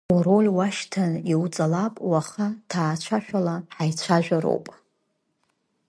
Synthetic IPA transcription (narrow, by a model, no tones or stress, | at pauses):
uɾolʲwaʃtʰaniwt͡sʼalapʼwaχatʰaːt͡ʃʷʰaʃᶣalaħajt͡ʃʷʰaʒᶣaɾo̰wpʼ